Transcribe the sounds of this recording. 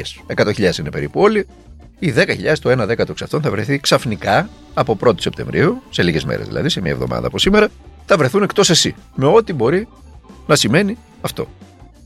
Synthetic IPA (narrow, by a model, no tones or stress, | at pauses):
se̞kɐt̪oçiʎɐðe̞sinepe̞ɾipuo̞li | iðe̞kɐçiʎɐðe̞st̪oe̞nɐðe̞kɐt̪oksɐft̪o̞nθɐvɾe̞θiksɐfnikɐː | po̞pɾo̞t̪o̥sept̪e̞̰ɱvɾʔiuse̞liʝe̞zmḛɾezðilɐ̰ðise̞miɐ̰evðo̞̰mɐ̰ðɐ̰ɐposime̞ɾɐθɐvɾe̞θunekt̪o̞se̞sḭme̞o̞t̪ibo̞ɾi | nɐsime̞ni | ɐft̪o̞̰